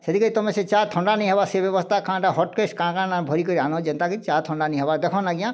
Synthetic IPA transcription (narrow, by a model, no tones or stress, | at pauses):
sed̪ʱikɔɾit̪ɔmẽset͡ʃat̪ʰɔɳɖaniɦɛbaɾsebɛbɔst̪ʰakʰãʈaɦɔʈ̚keskãkãnãbʱɔɾikɔɾianɔ̃d͡ʒɛnt̪akit͡ʃat̪ʰɔ̃ɳɖaniɦɛbaɾd̪ɛkʰɔ̃nlaɡijã